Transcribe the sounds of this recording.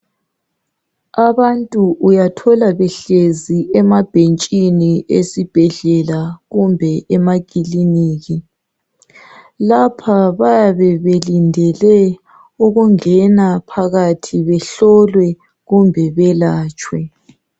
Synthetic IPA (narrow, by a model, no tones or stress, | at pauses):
aβantʼuʔujatʰɔlaβɛɬeziʔɛmab̥ʱent͡ʃʼiniʔesib̥ʱɛɮɛlaɣumbʱɛʔɛmaɣʼiliniːɣi | lapʰaβajaβɛβelindʱɛlɛ | uɣuŋɛnapʰaɣatʰiβɛɬɔlwɛ | ɣumbʱɛβɛlaːt͡ʃʼwɛ